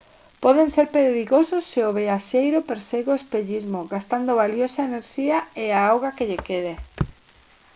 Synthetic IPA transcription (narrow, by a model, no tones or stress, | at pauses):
pɔðenseɾpeɾiɣosʊsːeoβeaʃejɾʊpeɾseɣoespeʎizmʊɣast̪and̪oβaljosaeneɾʃiaeaawɣakeʎekeðe